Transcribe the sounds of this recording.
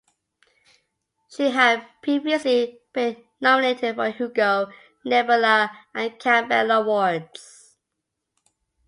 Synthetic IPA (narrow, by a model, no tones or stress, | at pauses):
ʃiɦəd̚pʰɹ̥iviəslib̥ĩnːɔmɪneɪtʰɪdfəhuɡəʊ | nɛbələʔə̃nkʰæ̃mbɛ̰ləwɔɹds